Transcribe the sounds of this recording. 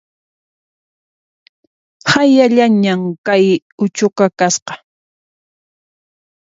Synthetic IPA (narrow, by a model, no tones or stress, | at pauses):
hajaʎaɲamkaj | ʊt͡ʃʊkakasqɑ̥